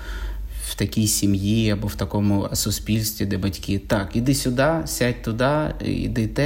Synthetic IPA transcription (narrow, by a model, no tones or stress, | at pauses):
w̥t̪ɐkʲijsʲimjiɐbɔwt̪ɐkɔmʊsʊsʲpʲilʲsʲt̪ʲʋʲid̪ɛbɐtʲkʲɪt̪ɑkid̪ɪsʲʊd̪ɑsʲatʲt̪ʊd̪ɑḭd̪ɪt̪ɛ